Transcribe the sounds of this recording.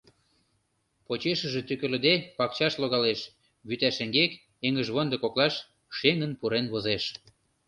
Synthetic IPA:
pot͡ɕeʃə̆ʒĕt̪ykə̆lə̆d̪epɑkt͡ɕɑʃloɣɑleʃ | βyt̪æʃə̆ŋɡek | eŋə̆ʒβɤnd̪ɤ̆koklɑʃ | ʃeŋə̆npuɾenβozeʃ

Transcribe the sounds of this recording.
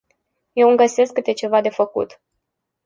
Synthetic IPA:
je̞wɨŋɡəse̞skːɨt̪e̞t͡ʃe̞vad̪e̞fəkṵt̪

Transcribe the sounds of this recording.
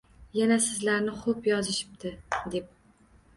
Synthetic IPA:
janasɪzlaɾnɪχopjɒzɪʃɪ̥p̚t̪ʰɪd̪ep̚

